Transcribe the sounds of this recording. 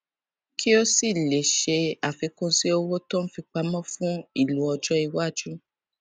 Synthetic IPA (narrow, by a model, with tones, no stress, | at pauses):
kʰi˦o˦si˦˨le˨ʃe˧a˨fi˨˧˦kũ˦si˦o˧wo˦tɔ̃˦n̩˦fi˧k͡pa˧mɔ̃˦fũ˦i˦˨lu˨˦ɔ˧d͡ʒɔ˦i˧wa˦˨d͡ʒu˦